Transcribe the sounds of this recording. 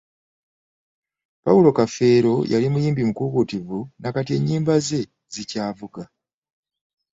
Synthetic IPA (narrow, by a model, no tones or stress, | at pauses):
pawulo̞kafe̞ːɾo̞jʔalimujiːmbimukukutivunakatie̞ɲːiːmbaze̞ | zicaːvuɡa